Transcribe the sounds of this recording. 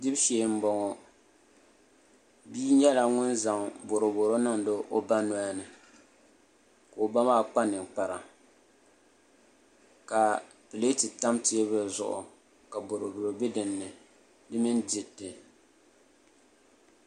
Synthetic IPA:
dɪ˦bʃe˨m̩˦bɔ˨ŋɔ˨ | biː˦ɲɛ˦la˨ŋʊ˦nza˨mbo˨ɾo˨bo˨ɾo˦nɨ˦ŋdo˦ʔo˦ba˦nɔ˨˦a˦nɨ˨ | ka˨o˨ba˦maː˦˨k͡pa˦nɨ˨ŋk͡pa˨ɾa˨ | ka˨ | pɨ˨le˦ti˨ta˦mtɪ˦e˦βɨ˦zʊ̰˨ʔʊ̰˨ | ka˨bʊ˨ɾo˨bʊ˨ɾo˨be˦dɨ˨nːɨ˨ | dɨ˦mɪ˦ndi˨tːɨ˨

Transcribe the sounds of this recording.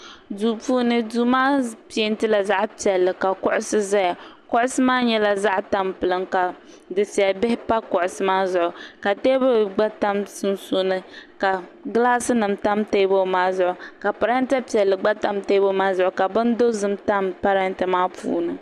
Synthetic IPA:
duː˨puː˦nɨ˦du˦maː˦pi˨e˦n˦tɨ˦la˨za˦ʔpi˨ɛ˨lːɨ˨ka˨kʊ˦ʔʊ˦sɨ˦za˦ja˨kʊ˦ʔʊ˦sɨ˦maː˦ɲɛ˦la˨za˦ʔta˦mpɨ˨lɨ˨ŋka˨ | dɨ˨si˨a˨bɪ˦hɪ˦pa˦kʊ˨ʔʊ˨sɨ˦maː˦zʊ˨ʔʊ˨ka˨te˦bo˦˨ɡ͡ba˦ta˦msɨ˦nso˦nɨ˦ka˨ɡlaː˦sɨ˦nɨ˨mta˦mte˦bo˦maː˦zʊ˦ʔʊ˨ka˨pa˨ɾa˦n˦ta˦pi˨ɛ˨lːɨ˨ɡ͡ba˦ta˦mte˦bo˦maː˦zʊ˨ʔʊ˨ka˨bɨ˦ndo˦zɨ˦mta˦mpa˦ɾa˦n˦tɨ˨maː˦pṵː˦nɨ˨

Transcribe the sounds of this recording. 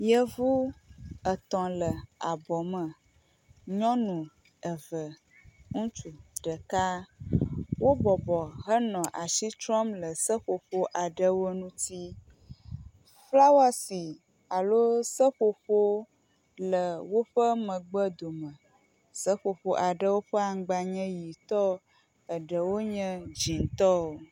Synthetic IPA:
jə˦vu˦ə˨t̪ɔ̃˨lə˨a˨bɔ˨mə̃˨ | ɲɔ̃˦nũ˨ | ə˨və˨ | ŋũ˦t͡ʃu˨ɖə˨ka˦ | wo˦bɔ˨bɔ˨ɦə˦nɔ̃˨ʔa˨ʃi˦t̪ɾɔ˦mlə˨sə˦ɸo˨ɸo˦ʔa˨ɖə˦wo˦nũ˦t̪i˦ | fla˦wa˦si˨ | a˨lo˦sə˦ɸo˨ɸo˦ | lə˨wo˦ɸə˦mə̃˨ɡ͡bə˦d̪o˨mə̃˨ | sə˦ɸo˨ɸo˦ʔa˨ɖə˦wo˦ɸə˦a˨ŋ˦ɡ͡ba˨ɲɛ̃˦ji˨t̪ɔ˦ | ə˨ɖə˨wo˦ɲɛ̃˦d͡ʒi˨n˨t̪ɔ˦o˨

